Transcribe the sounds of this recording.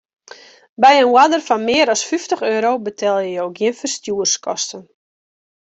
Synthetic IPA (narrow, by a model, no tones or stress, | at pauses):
bɛjənwadərfɔnmɪəɾɔsfyftəχøːɾobətʰɛlˠjəjowɡjiənfərstjuərskʰɔ̰stən